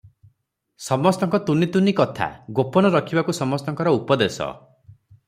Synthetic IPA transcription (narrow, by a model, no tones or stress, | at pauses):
sɔmɔst̪ɔŋkɔt̪unit̪unikɔt̪ʰa̰ɡopɔnɔɾɔkʰibakusɔmɔst̪ɔŋkɔɾɔupɔd̪esɔ̰